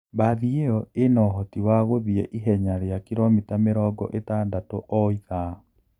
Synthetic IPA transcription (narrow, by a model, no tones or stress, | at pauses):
baðieɔenɔɦɔtiwaɣoðiɛʔiɦɛɲaɾeakiɾomitameɾɔːɡɔ̰ʔetaːndatoʔɔiða